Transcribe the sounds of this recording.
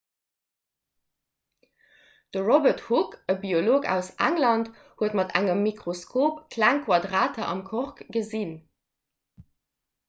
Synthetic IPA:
d̥əʁobəthukəbioloːkæ̰ʊsʔæ̰ŋlɑnt | huətmɑtæ̰ŋəmːikʁoskʰoːpkʰlæŋkʰwɑdʁaːtʰɐʔɑ̰mkʰoʁkɡəzin

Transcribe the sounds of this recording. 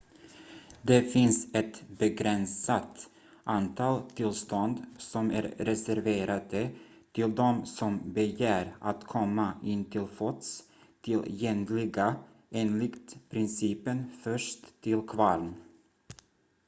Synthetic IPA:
d̪ɛfɪnsɛt̪bɛɡɾɛnsat̪ | ʔant̪ʰɑːlt̪ʰɪlst̪ɔnd̪sɔmæ̰ːɾɾɛsæɾveːɾad̪ə | t̪ʰɪld̪ɔmsɔmbɛjæːɾat̪kʰɔmːaʔɪnːt̪ʰɪlfɔt̪s | t̪ʰɪlɛnlɪɡa | eːnlɪkt̪pʰɾɪnsiːpənfœʂt̪ʰːɪlkʰvɑln

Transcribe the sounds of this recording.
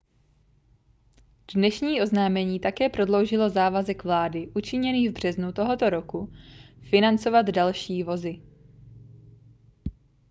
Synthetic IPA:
dnɛʃɲiːʔo̞znaːmɛɲiːt̪akɛːpɾo̞dlo̞wʒɪlo̞zaːvazɛkvlaːdɪʔut͡ʃɪɲɛniːvbr̝̥ɛznut̪o̞ɦo̞t̪o̞ɾo̞kufɪnant͡so̞vad̪dalʃiːvo̞zɪ

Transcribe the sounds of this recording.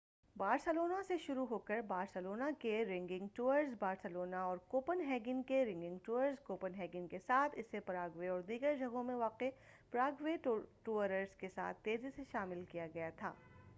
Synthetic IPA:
baːɾsəloːnaseʃʊɾuɦoːkəɾbaːɾsəloːnakeɾɪ̃ŋɡɪ̃ŋɡʈuːəɾzbaːɾsəloːnaɔːɾkoːpənɦɛːɡɪnkeɾɪ̃ŋɡɪ̃ŋɡʈuːəɾzkoːpənɦɛːɡɪnkesaːt̪ʰɪsːepɾaːɡʋeɔːɾd̪iːɡəɾd͡ʒʱɐɡõmẽʋaːqe | pɾaːɡʋeʈuːəɾəɾzkesa̰ːt̪ʰːeːziseʃaːmɪlkijaɡɐjat̪ʰa̰ː

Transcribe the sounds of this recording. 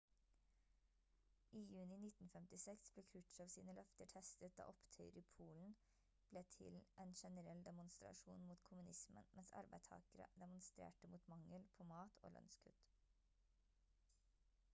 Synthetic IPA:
ʔiːjʉːnɪnɪt̪n̩fɛmt̪ɪsɛksbleːkʰʉʈʃɑːʋsiːnəlœft̪əʈʰɛst̪ət̪̚d̪ɑ̰ːʔɔpt̪ʰœʏɾiːpʰuːln̩ | b̥leːt̪ʰɪ̰lʔeːnʃɛnəɾɛld̪ɛmʊnst̪ɾɑ̰ʃṵːnmuːt̪kʰʊmʉnɪsmə̰nmʔɛnsɑ̰ɾbæɪt̪ʰɑ̰ːkəɾə̰d̪ɛmʊnst̪ɾḛːʈəmuːt̪mɑŋəlpʰoːmɑːt̪ʰo̰ːlœ̰nskʰʉt̪

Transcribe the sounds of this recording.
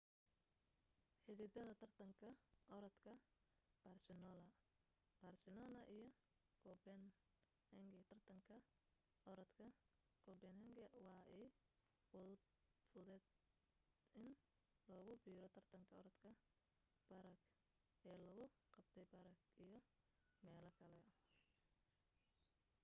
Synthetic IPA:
ħɪðɪd̪ɐðɐt̪ʰɐrt̪ʰɐŋkʰɐʔɔɾɐd̪kʰɐ | b̥aːrsɪnɔːlɐ | b̥ɐrsɪlɔːnɐʔijɔ | kʰɔbɛn | hɛŋɡɛt̪ʰɐrt̪ʰɐŋkʰɐ | ɔɾɐd̪kʰɐ | kʰɔbɛnhɛŋɡɐwɑːʔɛ | wɔðʊ | fʊðɛd̪ | ɪn | lɔːɣʊbiːɾɔt̪ʰɐrt̪ʰɐŋkʰɐɔɾɐd̪kʰɐ | bɐɾɐɡ | ɛːlɐɣʊqɑb̥t̪ʰɛjbɐɾɐɡijɔ | mɛːlɐkʰɐlɛ

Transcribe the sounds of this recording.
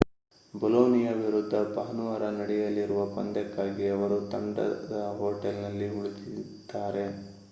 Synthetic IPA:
bɔloːnijɐʋiɾud̪ʱːɐbɐɦɐnuʋaːɾɐnɐɽɛjɐlːiɾuʋɐpɐnd̪ɛkːaːɡiɐʋɐɾut̪ɐɳɖɐ̰d̪ɐɦoːʈelnɐlːiɦuɭit̪i | d̪̥ːaːɾe̞

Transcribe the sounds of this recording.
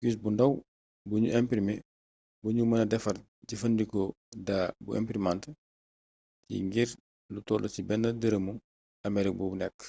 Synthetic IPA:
kis̬bundɐw | buɲṵʔɛmpɾimɛ | buɲumɐnɐdɛfɐr | ɟifɐndikɔdabuʔɛ̰mpɾimant | cḭŋɡiɾ | lutɔlusibɛnːɐdəɾəmu | ɐmɛɾik̚bɔbunɛkː

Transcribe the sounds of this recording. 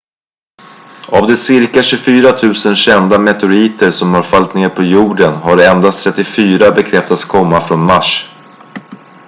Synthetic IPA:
avd̪ɛsɪɾkaɕɵfyːɾat̪ʰʉ̟ːsənɕɛnd̪amɛt̪ʊɾiːt̪əɾsɔmhaɾfalt̪neːɾpʰɔjuːɖənɦaɖɛɛnd̪ast̪ʰɾɛt̪ːɪfyːɾabɛkʰɾɛft̪at̪skʰɔmːafɾɔnmaʂ

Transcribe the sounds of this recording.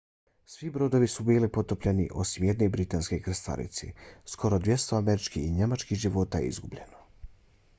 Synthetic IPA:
sʋibɾo̞d̪o̞ʋisubiːlipo̞t̪opʎenḭʔo̞̰simjed̪ne̞bɾit̪anskekɾest̪a̰ɾḭt̪sḛsko̞ɾod̪ʋʲje̞st̪oameɾit͡ʃkiiɲe̞mat͡ʃkiʒiʋo̞t̪ajḛḭzɡubʎe̞̰no

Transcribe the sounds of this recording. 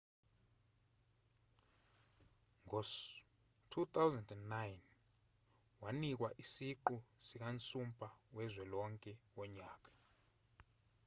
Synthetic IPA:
ŋʱɔs | tʰut̪ʰawzɛndɛnːajn | wanik̬waʔisiǃusik̬ant͡sʼumpʼʰawɛzwɛlɔŋkʼɛwɔɲaːk̬ʼḁ

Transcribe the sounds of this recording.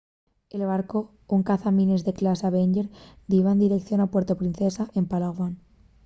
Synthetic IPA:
e̞lβ̞aɾko | uŋkaθamĩnezðe̞klasaβeɲɟeɾd̪iβaend̪iɾe̞kθjo̞napwe̞ɾt̪opɾinθesaʔe̞mpalaɣwan

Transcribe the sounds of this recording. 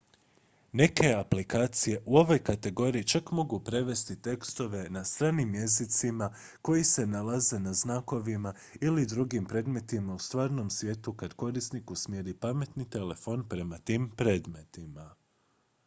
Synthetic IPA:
ne̞kʰe̞aplikaːt̪sije̞ʔuo̞ʋo̞jkat̪e̞ɡo̞ːɾiit͡ʃakmo̞ɡupɾe̞ʋe̞st̪it̪e̞kst̪o̞ʋe̞nast̪ɾaːnimje̞zit̪sima | ko̞jise̞nalaze̞naznaːko̞ʋima | ilid̪ɾuɡimpɾe̞ːd̪me̞t̪imaust̪ʋaːɾno̞msʋʲje̞ːt̪ukad̪̥ko̞ɾisnikusmjeːɾipame̞t̪nit̪e̞le̞fonpɾe̞mat̪iːmpɾe̞ːd̪me̞t̪ima

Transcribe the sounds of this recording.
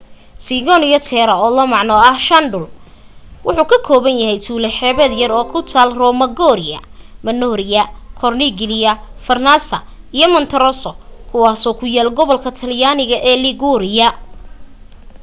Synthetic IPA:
siɣɔnijɔt̪ʰɛːɾɐɔːlɐmɑʕnɔɐhʃɐnɖʊl | wʊħuːkʰɐkʰɔːβɐnjɐɦɛjt̪ʰuːlɛħɛːβɐd̪jɐrɔːkʰʊt̪ʰaːlrɔmɐɡɔːɾɪjɐ̰mɐnɔːɾɪjɐkʰɔrniɡɪlɪjɐfɐrnasɐ | ijɔmɐnt̪ʰɐɾɔsɔkʰʊwaːsɔːkʰʊjaːlɡɔβɔlkʰɐt̪ʰɐljaːnɪɣɐʔɛːlɪɡuɾɪjɐ

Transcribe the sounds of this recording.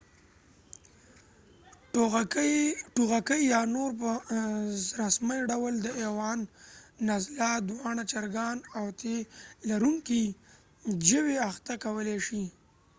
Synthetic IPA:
ʈoɣ | ʈuɣakəjjɑnoɾpəzɾasməjɖawəld̪əewɑnːazlad̪wɑɳat͡ʃaɾɡɑnawt̪elaɾuŋki | d͡ʒəweaxt̪akawəleʃi

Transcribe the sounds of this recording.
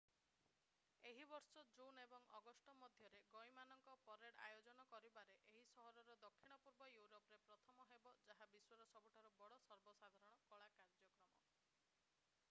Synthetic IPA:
eɦibɔɾsɔd͡ʒunebɔŋɔɡɔsʈɔmɔd̪ʱjɔɾeɡojmanɔŋkɔpɔɾeɽa̰jod͡ʒɔnɔkɔɾibaɾeʔeɦisɔɦɔɾɔɾɔd̪ɔkʰːiɽ̃ɔpuɾbɔjuɾopɔɾepɾɔt̪ʰɔmɔɦebɔd͡ʒaɦabiswɔɾɔsɔbʱuʈʰaɾɔbɔɽɔsɔɾbɔsad̪ʱaɾɔɽ̃ɔkɔɭakaɾd͡ʒɔkɾɔmɔ

